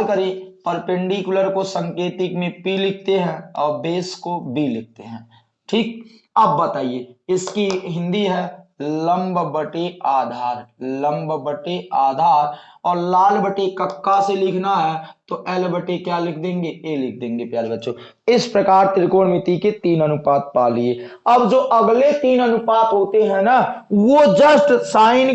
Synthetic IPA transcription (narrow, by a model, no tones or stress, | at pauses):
lkəɾepəɾpẽɳɖikʊləɾkosə̃ŋkeːt̪ɪkmẽpilɪk̚ʰt̪eɦɛ̃ːɔːɾbeːskobilɪk̚ʰt̪eɦɛ̰̃ː | ʈʰiːk̚ | ɐbːət̪aːieːɪskiɦɪ̃nd̪iɦɛːlə̃mbʱbəʈeaːd̪ʱaːɾlə̃mbbəʈeaːd̪ʱaːɾ | ɔːɾlaːlbəʈekəkːaselɪkʰnaɦɛːt̪oʔɛːlebəʈekjaːlɪkʰd̪ẽːŋɡeelɪkʰd̪ẽːŋɡepjaːɾebətːʃoː | ɪspɾəkaːɾt̪ɪɾkoːnmɪt̪iket̪iːnənʊpaːt̪̚paːlieːɐbd͡ʒoːʔɐɡlet̪iːnənʊpaːt̪ɦoːt̪eɦɛ̃naʋod͡ʒəsʈsaːɪn